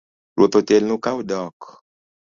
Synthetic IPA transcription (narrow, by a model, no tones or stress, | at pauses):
ɾot̪ot̪enũkawudɔk